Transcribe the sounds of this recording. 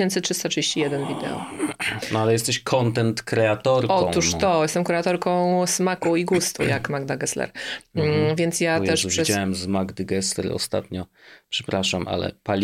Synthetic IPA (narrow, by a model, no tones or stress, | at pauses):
ɛnt̪sɘtʂɘst̪atʂɨd͡ʑeɕt͡ɕijɛd̪ɛnvʲid̪ɛ̰ɔ̰nalɛjɛst̪ɛɕkʰɔnt̪ɛnt̪kɾɛat̪ɔɾkɔt̪uʂt̪ɔjɛst̪ɛmkɾɛat̪ɔɾkɔ̃w̃smakuiɡust̪ṵjakmaɡd̪aɡɛslɛ̰ɾ | vʲjɛnt̪sjat̪ɛʂʂɛsawɛmzmaɡd̪ɛɡɛslɛ̰ɾɔ̰st̪a̰t̪ɲɔpʂɛ̥pɾaʂamʔa̰lɛ̰palʲ